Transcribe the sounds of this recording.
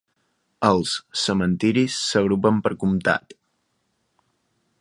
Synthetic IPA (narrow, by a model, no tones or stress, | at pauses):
əlˠsːəmənt̪iɾisːəɣ̞ɾupəmpəɾkumt̪a̰t̪